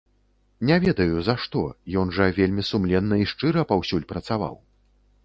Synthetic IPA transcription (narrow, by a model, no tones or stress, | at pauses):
nʲɛvʲɛd̪ɐjuzaʂt̪ɔ̰jɔnʐɐvʲelʲmʲisumlʲɛnːɐiʂt͡ʂɨɾɐpawsʲulʲpɾɐt̪sava̰w